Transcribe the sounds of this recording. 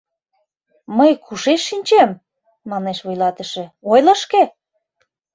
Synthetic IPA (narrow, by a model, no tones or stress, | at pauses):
məjkʰuʃeʃːinʲt͡ɕem | mɑneʃβujlɑt̪əʃĕojləʃke